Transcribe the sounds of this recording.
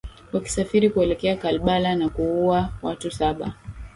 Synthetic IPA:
waki̥safiɾikuɛlɛkɛakalɓalanakuuawatusaɓa̰

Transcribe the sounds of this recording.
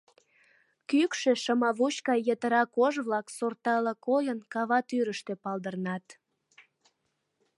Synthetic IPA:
kykʃeʃəmɑβut͡ɕkɑjət̪əɾɑkoʒβlɑksort̪ɑləkojənkɑβɑt̪yɾəʃt̪epɑld̪ərnɑt̪

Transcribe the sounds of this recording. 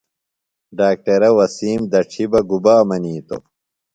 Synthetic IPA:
ɖaːk̚ʈɐɾɐwɐsiːmd̪ɐʈ͡ʂʰibɐɡubaːmɐniːt̪o̰

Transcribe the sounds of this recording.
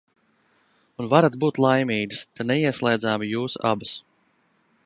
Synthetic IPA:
unvaɾat̪buːt̪lˠajmʲiːɡɨskanɛiɛslˠɛjd̪zaːmijuːsa̰bas

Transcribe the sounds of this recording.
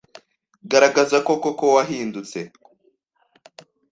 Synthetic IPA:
ɡaɾaɡazako̞kokowaɦiːndut͡se̞

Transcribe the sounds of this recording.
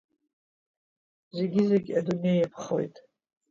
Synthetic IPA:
ze̞ɡʲizeɡʲadunjejepʰχo̰jtʼ

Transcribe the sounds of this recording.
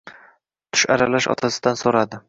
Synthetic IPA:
t̪ʰʊ̥ʃa̰ɾalaʃɒ̰t̪ʰasɪd̪ansoɾad̪ɪ

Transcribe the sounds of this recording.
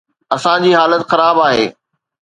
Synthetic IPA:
ɐsãd͡ʑiːɦaːlət̪xɐɾaːbaːɦḛː

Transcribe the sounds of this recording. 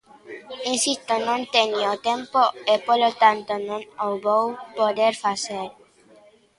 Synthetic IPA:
ĩnsist̪onõnt̪eniot̪ẽmpoepolot̪ant̪onõŋoβowpoðeɾfaseɾ

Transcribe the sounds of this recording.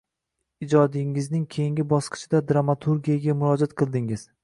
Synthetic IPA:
ɪd͡ʒɒd̪ɪŋɪznɪŋkʲʰe̞jɪŋɡʲɪbɒsqɨ̥t͡ʃʰɪd̪ad̪ɾamat̪ʰuɾɡʲijaɡʲamʊɾɒd͡ʒat̪̚qʰɨlˠd̪ɪŋɪz̥

